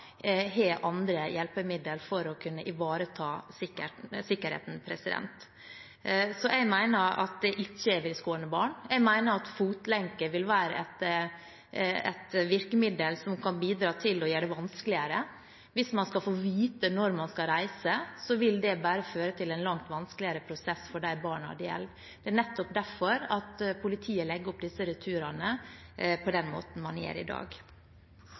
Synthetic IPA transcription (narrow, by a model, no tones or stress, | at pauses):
ɦeːʔɑnd̪ɾəjɛlpəmɪd̪əlfɔɾɔkʰʉnːəʔɪʋɑːɾət̪ʰɑːsɪkːəsɪkːəɾhḛːt̪n̩pʰɾɛsɪd̪ɛ̰nt̪ | sɔʔɛɡmæɪnəɾɑ̰t̪̚d̪ɛʔɪçːəɛʋɪlskoːəɳəbɑːɳɛɡmæɪnəɾɑt̪fuːt̪lɛŋkəʋɪlʋæːɾəɛt̪ | ɛ̰t̪ʋɪɾkəmɪd̪əlsɔmkʰɑnbiːd̪ɾɑːt̪ʰɪlɔjøːɖɛʋɑnsklɪəɾə | ʋɪsmɑnskɑfoːʋiːt̪ənɔɾmɑnskɑɾæɪsəsɔʋɪld̪ɛbæːɾəføːɾət̪ʰɪlɛnlɑŋt̪ʋɑnsklɪəɾəpʰɾʊsɛsfɔɖæɪbɑːɳhɑ̰d̪jɛ̰lʋ | d̪̥ɛæɳɛt̪ːɔp̚d̪æɾfɔɾɑt̪pʰʊlɪt̪ʰiːəlɛɡːəɾɔp̚d̪ɪsːəɾʉt̪ʰʉːɾɑnəpʰɔd̪ɛnmo̰ːt̪n̩mɑnjḛːɾɪ̰d̪ɑ̰ːɡ